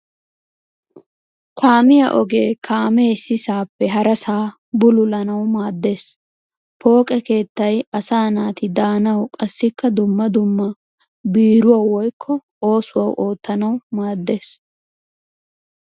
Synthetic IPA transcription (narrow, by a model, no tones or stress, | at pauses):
kʰaːmɪjɐ̰ʔɔɡe̞ːkʰaːmɛsːɪsaːpːɛɦɐɾɐsaː | bʊlʊlɐnɐwmaːd̪ːe̞ːs | pʰo̞ːkʼɛke̞ːt̪ːɐjɐsaːnaːt̪ɪd̪aːnɐwkʼɐsːɪkːɐd̪ʊmːɐd̪ʊmːɐ | biːɾʊwɐwɔjkʰːɔ | o̞ːsʊwɐwʔo̞ːt̪ːɐnɐwmaːd̪ːe̞ːs